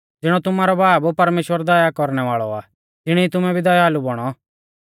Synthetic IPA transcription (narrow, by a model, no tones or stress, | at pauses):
d͡zɪɽ̃ɔt̪ʊmaːɾɔbaːbpɐɾmeːʃwəɾd̪ɐjakɔɾɽ̃ɛʋaːɭɔ̰a̰ | d͡zɪɽ̃iit̪ʊmɛ̃bʱid̪ɐjaɦalubɔɽ̃ɔ